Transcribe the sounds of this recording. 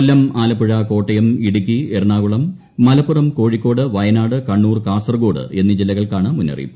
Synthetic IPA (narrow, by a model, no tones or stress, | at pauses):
lːɐmaːlɐpːuɻɐko̞ːʈːɐjɐmiɽuk̬ːierɳaːɣuɭɐmː | ɐlɐpːurɐmko̞ːɻikʲːo̞ːɽɨʋɐjɐnaːɽɨkɐɳːuːrkaːsɐrɡo̞ːɽɨ̰ʔe̞nːid͡ʑilːɐɣɐɭkaːɳɨmunːɐ̰rḭjṵm